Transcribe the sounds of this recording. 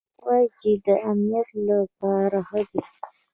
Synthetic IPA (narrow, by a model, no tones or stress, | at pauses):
wad͡ʒid̪əamnijat̪lapɑɾahəd̪i